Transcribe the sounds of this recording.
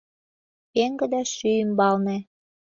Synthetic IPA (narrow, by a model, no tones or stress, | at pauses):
eŋɡə̆d̪æʃyymbɑlnĕ